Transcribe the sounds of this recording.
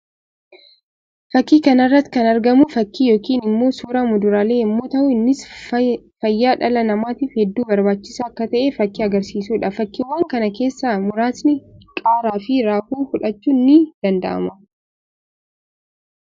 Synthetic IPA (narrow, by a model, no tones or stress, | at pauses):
fɐkːiːkɐnɐrːɐt̪ːkɐnɐɾɡɐmʊfɐkːiːjo̞ːkiːnɪmːo̞ːsuːɾamʊd̪ʊɾaːle̞ːɪmːo̞ːt̪ɐʔʊɪnːɪs | fɐjːaːᶑɐlɐnɐmaːt̪iːfhɛd̪ːuːbɐɾbaːt͡ʃːɪ̥saːɐkːɐt̪ɐʔeːfɐkːiːɐɡɐɾsiːsuːᶑɐfɐkːiwaːŋkɐnɐke̞ːsːaːmʊɾaːsnɪkʼaːɾaːfɪɾaːhuːhʊᶑɐt͡ʃːuːnːɪd̪̥ɐnd̪ɐ̰ʔɐ̰mɐ